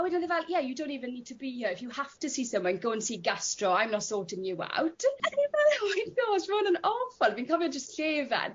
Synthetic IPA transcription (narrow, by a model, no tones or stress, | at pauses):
awɛdnəðəvɛlˠjɛjədõw̃ntiːvə̃nːiːd̚tʰəbihəɪfjəhaftəsiːsə̃mwɔ̃nɡoːə̃nsiːɡastɹɔãj̃mnɔtsɔːtɪ̃njua̰wtaɪvɛlˠmajɡɔ̥ʃvəːnə̃nɔfəlˠviːnkʰɔvjɔnd͡ʒəstɬeːva̰n